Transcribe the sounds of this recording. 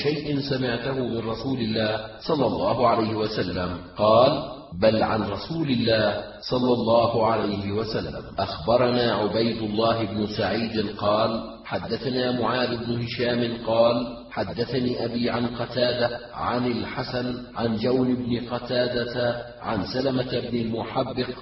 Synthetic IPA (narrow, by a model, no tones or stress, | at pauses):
ʃajʔɪnsamɪʕt̪ahʊmɪnɾˤɑsuːlɪlːaːhsˤɑlːɑlˤːɑːɦʊʕalajhɪwasalːamqɑːl | balʕa̰nɾˤɑsuːlɪlːaːh | sˤɑlːɑlˤːɑːhʊʕalajhɪwasalːa̰mʔaxbɑɾˤɑnaːʕʊbajd̪ʊlˤːaɑːɦɪbnʊsaʕiːd̪nqɑːl | ħad̪ːaθanaːmʊʕaːd̪ʊbnʊhɪʃaːmɪnqɑːl | ħad̪ːaθaniːʔabiːʕanqɑt̪aːd̪a | ʕanɪlħasanʕand͡ʒawnɪbnɪqɑt̪aːd̪at̪a | ʕa̰nsalamat̪ɪbnɪlmʊħabːɪq